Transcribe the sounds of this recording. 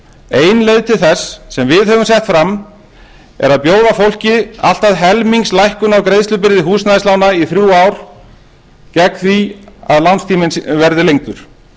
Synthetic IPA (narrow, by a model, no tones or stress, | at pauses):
eːjnlejðt̪ʰɪlθɛsːɛmvɪðhœvʏmsɛht̪fɾam | ɛ̰ɾaðpjoːwðafowl̥cɪa̰l̥t̪aðɦɛlmiŋkslajhkʏnawkɾejðst̪ʏpɪɾðɪɦuːsnajɪslaːwnaiθɾjuawɾ̥ | cɛkθviaðlanst̪ʰiːmɪnsvɛɾðɪlejŋ̚t̪ʏɾ̥